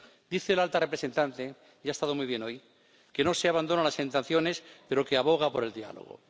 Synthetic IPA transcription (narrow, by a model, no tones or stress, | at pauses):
d̪̥iθe̞ːlalt̪arepɾe̞se̞nt̪ant̪e̞ | jaest̪aðo̞mujβ̞jeno̞j | ke̞no̞seaβand̪o̞nalasent̪enθjo̞ne̞spe̞ɾo̞keaβo̞ɣ̞apo̞ɾe̞ld̪ia̰lo̰ɣ̞o̰